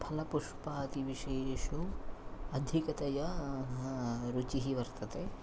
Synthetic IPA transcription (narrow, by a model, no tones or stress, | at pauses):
pʰɐlɐpuʂpaːt̪iʋiʃeːʃo | ɐd̪ʱikɐt̪ɐjɐ | ɾut͡ʃiɦiʋɐɾt̪ɐt̪e